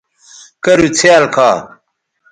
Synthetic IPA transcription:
kɐɾut͡sʰealkʰaː

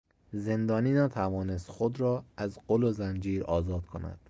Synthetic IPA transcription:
ze̞nd̪ɒːniːnæt̪ʰævɒːnest̪xod̪ɾɒːæzɢolozænd͡ʒiːɾɒːzɒːd̪̥kʰo̰næ̰d̪̥

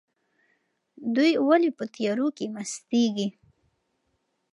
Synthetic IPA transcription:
d̪ujwalepət̪ijɑɾokemast̪eɡi

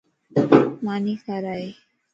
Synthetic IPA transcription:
manikaɾaj

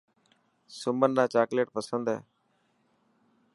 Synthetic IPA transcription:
sʊmənːãːt͡ʃaːkleːʈ̚pəsənd̪ɦɛ̰ː

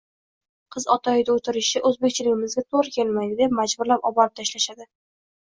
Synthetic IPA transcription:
qʰɨzɒt̪ʰɒjɪd̪ʲaot̪ʰɪɾɪʃɪʔɵzbekʲt͡ʃʰɪlɪɡʲɪmɪzɡʲat̪ʰoɾkʲʰe̞lmajd̪ɪd̪e̞p̚mad͡ʒbʊɾlapɒbɒɾɪp̚t̪ʰaʃlaʃad̪ɪ

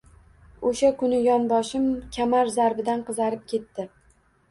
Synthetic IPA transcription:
oʃakʰʊnɪjɒnbɒʃɪmkʲʰamaɾzaɾbɪd̪anqʰɨzaɾɪp̚kʲʰe̞t̪ːɪ

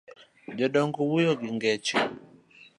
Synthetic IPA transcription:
d͡ʒɔɗɔŋɡɔwujɔɡiŋɡɛt͡ʃi

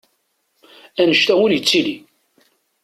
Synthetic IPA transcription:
ænəʃt̪æwʊɾjət͡sːili

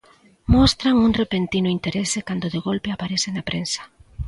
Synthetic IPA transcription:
mɔst̪ɾaŋuŋrepent̪inʊint̪eɾesɪkand̪ʊðeɣolpeapaɾesɪnapɾensḁ

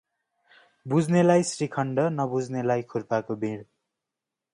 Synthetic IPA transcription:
bud͡zʱnelajsrikʰʌɳɖʌnʌbud͡zʱnelajkʰurpakobʱiɽ

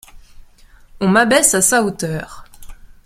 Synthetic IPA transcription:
ɔ̃mabɛsasaot̪œːʁ

